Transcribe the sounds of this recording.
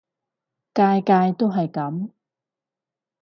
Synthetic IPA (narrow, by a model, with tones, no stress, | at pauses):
kaː˧jkaː˧jt̪o˥wɦɐ˨jkɐ˨˥m